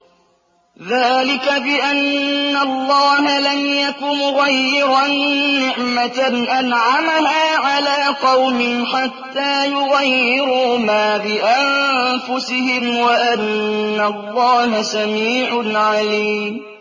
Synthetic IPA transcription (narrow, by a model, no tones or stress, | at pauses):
ðaːlɪkabɪʔanːalˤːɑːɦalamjakʊmʊɣajːɪɾɑnːɪʕmanʔanʕamaɦaːʕalaːqɑwmɪnħat̪ːaːjʊɣajːɪɾʊmaːbɪʔammfʊsɪhɪmwaʔanːalːɑːɦasamiːʕʊnʕaliːmm